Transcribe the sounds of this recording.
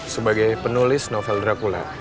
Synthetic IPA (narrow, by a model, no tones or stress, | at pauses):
səbaɡajpənulɪsnɔfɛlrakula̰